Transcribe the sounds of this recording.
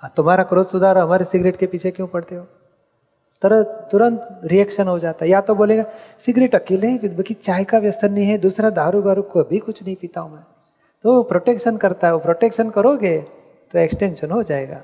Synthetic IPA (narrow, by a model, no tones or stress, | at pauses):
at̪ʊmɦaːɾakɾoːd͡ʒsʊd̪ʱaːɾɦɐmaːɾesɪɡɾeːʈkepiːt͡ʃʰekjõpɐɽt̪eɦoː | t̪ɐɾːʊɾə̃nt̪ɾiɛːkʃənɦod͡ʒaːt̪aɦɛjat̪oboːleːɡasɪɡɾeːʈɐkeːlɦẽfɪbɐkit͡ʃaːjkaʋjɐst̪ʰənəɦĩɦɛd̪uːsɾad̪ʱaːɾubaːɾukoɐbʱikʊt͡ʃʰnɐɦĩpiːt̪aːɦũmɛ̃ː | t̪opɾoːʈeːkʃənkɐɾt̪aɦɛopɾoːʈeːkʃənkɐɾoːɡe | t̪oeksʈẽːnʃənɦod͡ʒaːeɡa̰ː